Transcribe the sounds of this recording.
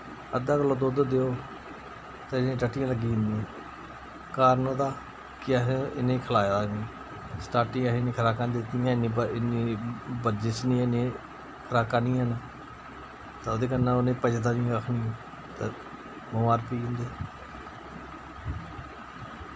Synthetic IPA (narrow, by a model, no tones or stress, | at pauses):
əd̪aːkəlːõːd̪oːd̪od̪eːoː | t̪eːɪnẽːʈəʈːɪjãːləɡiːɪ̃nd̪iːãː | kaːɾnoːd̪aː | kɪəɦɪnẽːkʰəlaːjd̪aːnĩː | sʈaːʈĩɦẽnĩːkʰɾaːkãːd̪ɪt̪ijãːɪnːĩːəɪniːbəɾd͡ʒeːt͡ʃnĩːneː | kʰəɾaːkãːnĩːaːnaː | t̪aːoːd̪eːkənːãːonẽːpəd͡ʒd̪aːnĩːkəkʰnĩːõː | t̪e | bəmaːɾpiːɪ̃nd̪eː